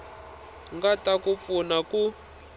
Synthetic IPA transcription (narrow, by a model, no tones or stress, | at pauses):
ŋɡatakup̪funaku